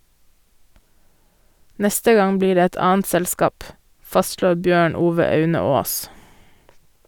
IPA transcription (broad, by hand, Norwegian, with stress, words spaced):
ˈnɛstə ˈɡɑŋ ˈbliːɾ ˈeː ˈɛt ˈɑːənt ˈsɛlskɑːp ˈfɑstʃloːɾ ˈbjøːɳ ˈuːʋə ˈɑʉnə ˈoːs